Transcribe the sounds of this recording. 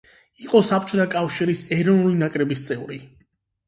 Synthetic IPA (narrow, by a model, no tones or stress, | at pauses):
iqʼɔsap̚ʰt͡ʃʰɔt̪ʰakʼafʃiɾisɛɾɔnulinakʼɾɛbist̪sʼɛvɾi